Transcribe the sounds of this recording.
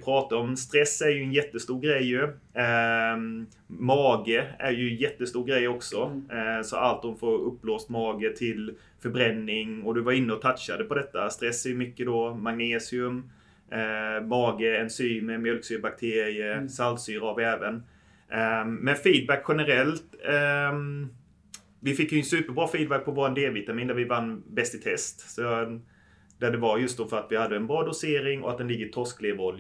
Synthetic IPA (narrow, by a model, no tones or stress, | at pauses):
pʰɾɑːt̪aɾɔmst̪ɾɛsːæɾjɵɛnjɛt̪ːəst̪uːɾɡɾɛjːɵ | mɑːɡəæɾjɵjɛt̪ːəst̪uːɾɡɾɛjːɔksɔsɔalt̪̚d̪ɔmfoːɾɵpːloːst̪mɑːɡət̪ʰɪl | fœɾbɾɛnːɪŋɔd̪ɵvaɾɪnːəɔt̪ʰat̪ʃad̪əpɔd̪ɛt̪ːast̪ɾɛsːæɾjɵmʏkːəd̪ɔmaŋneːsɪɵm | ɑːɡəɛnsyːməmjœlksyːɾbak̚t̪ʰeːɾɪəsalt̪syːɾavɛːvən | mɛnfiːd̪̚bækːɧɛnəɾɛlt̪ | vɪfɪkːjɵnsʉ̟ːpəɾbɾɑːfiːd̪̚bæk̚pʰɔvoːɾand̪eːvɪt̪amiːnd̪æɾvɪvanːbɛst̪ɪt̪ʰɛst̪sɔ | d̪̥æɖɛvaɾjɵst̪d̪ɔfœɾat̪vɪhad̪ːəɛnbɾɑːd̪ʊseːɾɪŋɔ̰at̪̚d̪ɛnlɪɡːət̪ʰɔskleːvɔlj